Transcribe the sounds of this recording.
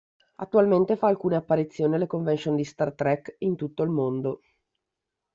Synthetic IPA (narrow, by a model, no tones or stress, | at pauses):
at̪ːualment̪efaːlkuːneapːaɾit̪sːjoːnialekoɱvensond̪ist̪art̪ɾɛkint̪ut̪ːoilmond̪o